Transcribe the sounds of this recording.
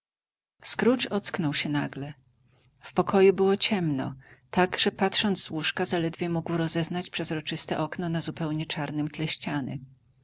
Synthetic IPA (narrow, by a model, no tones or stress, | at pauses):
skɾut͡ʂɔt̪sknɔwɕɛnaɡlɛ | fpɔkʰɔjubɘwɔt͡ɕɛmnɔ̰t̪aɡʐ̥ɛpat̪ʂɔnd̪zzwuʂkazalɛd̪vʲjɛmuɡwɾɔzɛznat͡ɕpʂɛzɾɔt͡ʂɘst̪ɛʔɔknɔnazupɛwɲɛt͡ʂaɾnɘmt̪lɛɕt͡ɕanɘ̰